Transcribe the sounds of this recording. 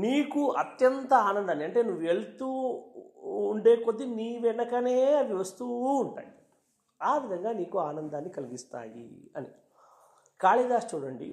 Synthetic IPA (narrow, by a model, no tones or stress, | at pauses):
niːkuɐt̪jɐnt̪ɐaːnɐnd̪aːniɐɳʈe̞ːnuʋːueɭut̪uː | ɳɖe̞ːkod̪ːiniːʋɛnɐkɐneːɐd̪iʋɐst̪uːɳʈa̰ːi | aːʋid̪ʱɐŋɡaːniːkuaːnɐnd̪aːnːikɐliɡist̪a̰ːjḭɐ̰ni | kaːɭid̪aːst͡ʃuːɽɐɳɖḭ